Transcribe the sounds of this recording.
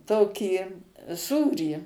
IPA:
ˈtoːkʲiː ˈsuːrʲiː

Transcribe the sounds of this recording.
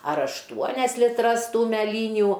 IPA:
ɐr ɐʃˈtuɔnʲɛs lʲɪˈtrɐs ˈtuː mʲæˈlʲiːnʲʊ

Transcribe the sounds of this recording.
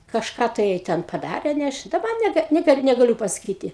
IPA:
kɐʃˈkɑː tɐɪ jɛɪ ˈtʲɛn pɐˈdɑːrʲeː nʲɛ ˈɐʃ dɐˈbɐ nʲɛˈɡɐ nʲɛˈkɐɪp nʲɛɡɐˈlʲʊ pɐsɐˈkʲiːtʲɪ

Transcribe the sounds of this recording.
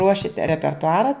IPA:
ˈruɔʃʲɪt rʲɛpʲɛrtʊˈɑːrɐ

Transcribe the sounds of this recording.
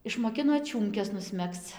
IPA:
ɪʃmoːˈkʲɪnoː ˈt͡ʃʲuːmʲkʲɛs nʊsʲˈmʲɛkst͡s

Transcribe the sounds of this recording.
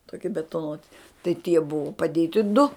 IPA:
toːˈkʲɪ bʲɛtoːˈnuɔtʲɪ tɐɪ tʲiɛ ˈbʊʋʊ pɐˈdʲeːtʲɪ dʊ

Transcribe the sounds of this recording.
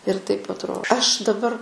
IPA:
ɪr tɐɪp ɐtˈroː ɐʃ dɐˈbɐr

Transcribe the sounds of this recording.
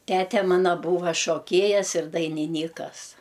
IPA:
ˈtʲæːtʲɛ ˈmɑːnɐ ˈbuːʋɐ ʃoːˈkʲeːjɛs ɪr dɐɪnʲɪˈnʲiːkɐs

